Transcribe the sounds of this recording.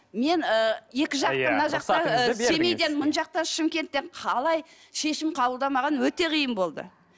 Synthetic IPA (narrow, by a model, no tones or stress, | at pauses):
me̞nəje̞kʲɪʒɑmənɑʒɑqt̪ɑemejd̪e̞nmənʒɑq̚t̪ɑnʃɪmkʲe̞nt̪ːeɴqʰɑlˠɑj | ʃe̞ʃɪmqʰɑbəlˠd̪ɑmɑʁɑnwɵt̪e̞qʰijəmbo̞lˠd̪ə̰